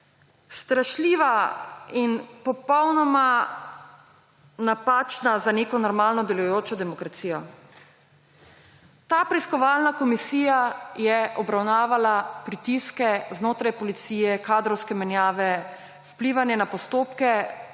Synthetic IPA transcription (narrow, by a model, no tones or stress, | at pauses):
st̪ɾaʃliːʋainpɔpɔwnɔma | napaːt͡ʃnazaneːkɔnɔɾmaːlnɔd̪ɛlujoːt͡ʃɔd̪ɛmɔkɾat̪siːjɔ | t̪aːpɾɛiskɔʋaːlnakɔmisiːjajɛʔɔbɾawnaːʋalapɾit̪iskɛznoːt̪ɾajpɔlit̪siːjɛkaːd̪ɾɔwskɛmɛnjaːʋɛ | wpliːʋanjɛnapɔst̪oːpkɛ